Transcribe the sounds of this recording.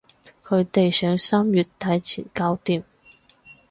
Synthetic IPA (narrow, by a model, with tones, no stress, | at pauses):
kʰɵ˨˧ɥt̪e˨jsœː˨˥ŋsaː˥mjyː˨˩t̚t̪ʰːɐ˨˥jt͡sʰiː˨˩nkaː˥wt̪iː˨˩m